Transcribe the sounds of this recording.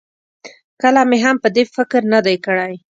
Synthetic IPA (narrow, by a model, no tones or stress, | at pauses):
kəlameɦampəd̪efɪkɾnad̪ajkəɽaj